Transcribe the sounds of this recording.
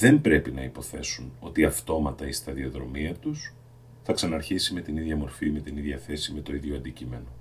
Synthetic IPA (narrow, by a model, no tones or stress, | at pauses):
ðe̞mbɾe̞pinɐipo̞θe̞̰suno̞t̪iɐft̪o̞mɐt̪ɐist̪ɐðioðɾo̞miɐt̪us | θɐksɐnɐɾçisime̞t̪iniðʝɐmo̞ɾfime̞t̪iniðʝɐθe̞sime̞t̪o̞iðʝo̞ɐnd̪icime̞no̞